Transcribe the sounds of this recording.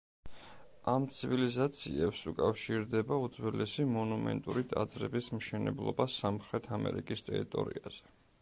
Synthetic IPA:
amt̪sʰivilizat̪sʰiɛpsukʼafʃiɾd̪ɛbaud̪zwɛlɛsimɔnumɛ̰nt̪ʼuɾit̪ʼad̪zɾɛbismʃɛnɛblˠɔbasamχɾɛt̪ʰamɛ̰ɾikʼist̪ʼɛɾit̪ʼɔɾḭaz̥ɛ

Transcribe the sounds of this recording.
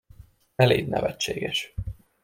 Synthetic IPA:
ɛlḛːd̪nʔɛ̰vɛt͡ʃːeːɡɛʃ

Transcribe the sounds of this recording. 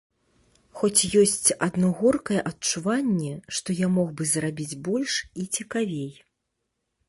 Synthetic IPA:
xɔt͡sʲjɔsʲt͡sʲɐd̪nɔɣɔrkɐjɛʔɐtt͡ʂuvanʲːɛʂt̪ɔjamɔɣbɨzrabʲid͡zʲbɔlʲʂit͡sʲɛkavʲej

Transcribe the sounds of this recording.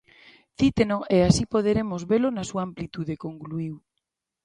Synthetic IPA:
θit̪enoʔeasipoð̞eɾemozβelonasuamplit̪uðekoŋkluiw

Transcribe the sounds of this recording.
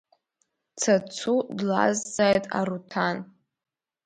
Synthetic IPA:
t͡sʰat͡sʰudla̰zd͡zajtʼa̰ɾutʰan

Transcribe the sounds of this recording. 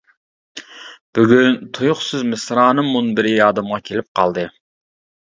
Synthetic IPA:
b̥yɡʲynt̪ʰojʊχsɨzmɨsɾɑːnɨmːunbɪɾɪjɑːd̪ɨmʁɑkʲʰelɪp̚qʰɑ̰lˠd̪ɨ

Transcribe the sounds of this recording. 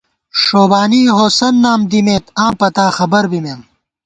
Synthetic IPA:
ʂoːbaːniːɦoːsɐnːaːmd̪imeːt̪ãːpɐt̪aːxɐbɐɾbimeːm

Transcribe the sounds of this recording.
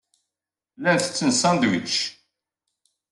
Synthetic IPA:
lænθə̥t͡sːənsɑnd̪wḭt͡ʃ

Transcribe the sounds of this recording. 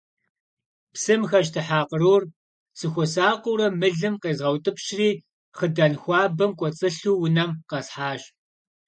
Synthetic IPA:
psɨmxɐɕ̬tʰɨħaːqəɾur | sɨxʷɔsaːqʷʊwɾɐmɨɮɨmqeːzʁɐwtʼɨpʃriː | χədɐnxʷɑːbɐmkʷʼɔt͡sʼɨɬuːwʊnɐmqɐsħaːɕ

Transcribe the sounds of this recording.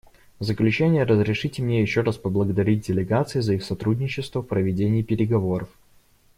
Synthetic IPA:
vzəklʲʉt͡ɕænʲɪjəɾəzɾʲɪʂɨtʲɪmnʲejɪɕːoɾaspəblˠəɡəd̪ɐɾʲit̚ʲdʲɪlʲɪɡat̪sɨɪzɐixsɐt̪ɾudʲnʲɪt͡ɕːɪst̪vəfpɾəvʲɪdʲenʲɪːpʲɪɾʲɪɡɐvo̞ɾəf

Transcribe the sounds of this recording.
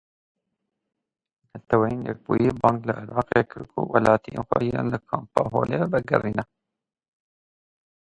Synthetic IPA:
nɛt̪ʰɛwɛjeːnjɛk̚buːjibɑːŋkləʔɪɾɑːqekʰɨɾkʰṵwɛlɑːt̪ʰijeːnxʷɛjiɾeːnləkʰɑːmpɑːɦoːlebɨɡɛ̰riːnɛ

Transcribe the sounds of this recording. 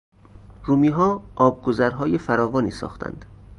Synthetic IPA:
ɾuːmiːɦɒːʔɒːb̚ɡozæɾɦɒːjefæɾɒːvɒːniːsɒ̰ːxt̪ʰæ̰nd̪̥

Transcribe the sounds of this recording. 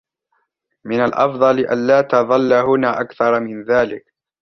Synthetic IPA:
mɪnalʔɑ̰fd̪ˤɑlɪʔa̰nlaːt̪ɑðˤɑlːaɦʊnaːʔakθɑɾˤmɪnðaːlɪk

